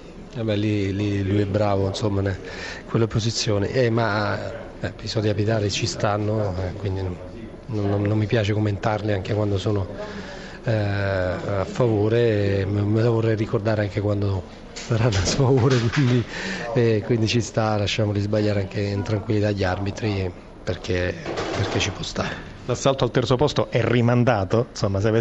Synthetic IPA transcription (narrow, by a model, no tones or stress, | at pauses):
ɛbɛlːililujɛbːɾaːvoinsomːanɛ | kwelːaposit̪sːjoːnḛʔɛmːa | ɛpisɔd̪ikapit̪aːɾet͡ʃist̪anːoɛkwind̪in | nonːoːomːipjaːt͡ʃekomːent̪arliaŋkekwand̪osoːno | afːavoːɾemelavorːɛjrikord̪aːɾeaŋkekwand̪o | saɾanːasfavoːɾekwind̪iɛkwind̪it͡ʃist̪alaʃːaːmolizbaʎːaːɾeaŋk̟eint̪ɾaŋkwilːit̪aʎːarbit̪ɾi | perk̟eperket͡ʃːipwɔst̪aːɾe | lasːalt̪oalt̪ɛrt̪sopɔst̪oʔɛrːimand̪aːt̪onsomːas̬eavɛ